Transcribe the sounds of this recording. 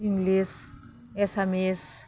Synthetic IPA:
ĩŋɡlis | ɛsɛmɛs

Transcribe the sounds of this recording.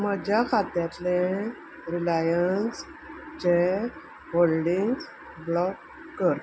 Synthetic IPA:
məd͡ʑʱjakʰat̪jat̪le | ɾilajəns | t͡ɕe | ɦolɖiŋɡs | blɔkː | əɾt̪

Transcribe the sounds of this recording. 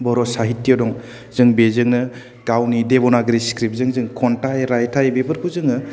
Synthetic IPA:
bɔɾɔsaɦitːijɔdɔŋ | z̥ɯŋbezɯŋnɯ | kawnidebɔnaɡɾiskɾip̚zɯŋzɯŋkʰɔntajɾajtʰajbebəɾkʰuzɯŋnɯ

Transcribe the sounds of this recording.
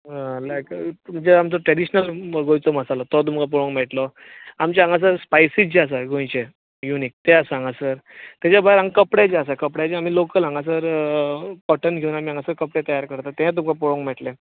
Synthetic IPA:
alajk̪m̤ənd͡zeamt͡sɔʈɾɛɽiɕnəlɡõjt͡sɔməsalɔt̪ɔt̪̬umkap̬ɔɭõŋkmɛʈlɔ | amt͡ɕaãŋɡas̬əɾspajsit͡ɕeas̬aɡõjt͡ɕe | junik̚t̪easãŋɡasəɾt̪at͡ɕabʱaiɾãŋɡkəpɽjat͡ɕeasakəpɽjat͡ɕeamiːlokəlãŋɡas̬əɾ | kɔʈənɡʱeuːnamiãŋɡasəɾkəpɽẽt̪əjaɾkəɾt̪at̪ẽãt̪̬umkapɔɭõŋkmɛʈlẽ

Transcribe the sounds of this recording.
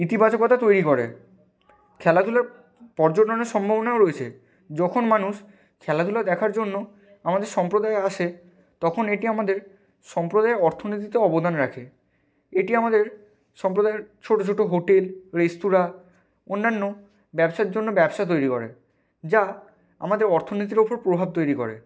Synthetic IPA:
it̪ibat͡ɕokːɔt̪ʰat̪ojɾikoɾḛ | kʰɛlad̪ʱulaɾ | pɔɾd͡ʑoʈoneɾʃɔmbʱabonaoɾoet͡ɕʰḛ | d͡ʑɔkʰonmanuʃ | kʰɛlad̪ʱulad̪ɛkʰaɾd͡ʑonːo | amad̪eɾʃɔmpɾod̪aeaʃe | t̪ɔkʰoneʈiamad̪eɾ | ʃɔmpɾod̪aeɔɾt̪ʰonit̪̬it̪eɔbod̪anɾakʰe | eʈiamad̪eɾ | ʃɔmpɾod̪aeɾt͡ɕʰoʈot͡ɕʰoʈoɦoʈelɾest̪uɾa | onːanːo | bɛbʃaeɾd͡ʑonːobɛbʃat̪ojɾikɔɾḛ | d͡ʑa | a̰mad̪eɾɔɾt̪ʰonit̪̬iɾopoɾpɾobʱab̚t̪ojɾikɔ̰ɾḛ

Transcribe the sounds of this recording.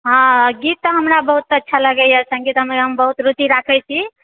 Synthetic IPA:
ɦãɡit̪ːəɦəmɾabəɦut̪ətːʃʰaləɡəjəsə̃ŋɡit̪ɦəmeɦəmbəɦut̪ɾut̪iɾakʰɛt͡ʃʰi

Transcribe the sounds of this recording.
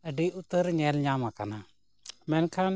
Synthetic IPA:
əɖiʔʊt̪ːəɾɲɛlɲamaka̰na | mɛnkʰan

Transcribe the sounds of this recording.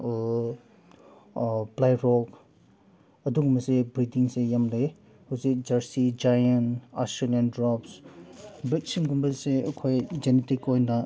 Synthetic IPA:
plajɾɔk | ɐduɡmɐsebɾidiŋsejamle | hawzik̚d͡ʒɐɾsid͡ʒajɐnastɾelijandɾɔps | bɾik̚siŋɡumbɐseɐkʰojd͡ʒenetikojna

